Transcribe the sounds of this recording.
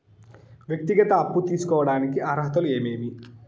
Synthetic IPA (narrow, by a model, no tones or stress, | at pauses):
ʋjɐk̚t̪iɡɐt̪ɐːpːut̪iːsu̥kɔːʋɐɽaːnikiaːɾɦɐt̪ɐlue̞ːmeːmi